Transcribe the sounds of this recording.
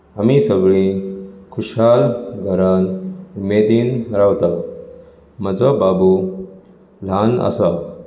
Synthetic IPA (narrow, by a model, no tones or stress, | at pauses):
amisəɡɭikʰuɕalɡʱəɾanmed̪inɾawt̪aw | məd͡zɔbabu | l̤ana̰sa